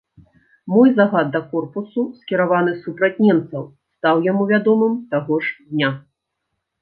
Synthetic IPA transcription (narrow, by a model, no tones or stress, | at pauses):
mɔjzaɣad̪̚dːɐkɔrpususkʲɛɾavan̪ɨsupɾɐt͡sʲnʲɛmt̪sɐw | st̪awjamuvʲad̪ɔmɨmt̪aɣɔʂd̪ʲnʲa